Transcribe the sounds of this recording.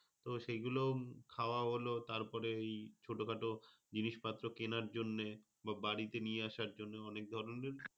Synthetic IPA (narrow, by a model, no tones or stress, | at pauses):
t̪oʃejɡulokʰaoaɦolot̪aɾpɔɾeejt͡ɕʰoʈokʰaʈo | d͡ʑiniʃpat̪ːɾokenaɾd͡ʑonːe | babaɽit̪enijeaʃaɾd͡ʑonːeɔnek̚d̪ʱɔɾoneɾ